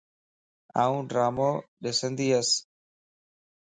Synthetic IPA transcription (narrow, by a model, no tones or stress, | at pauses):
a̰ːũːɖɾaːmoːɗesənd̪iːəs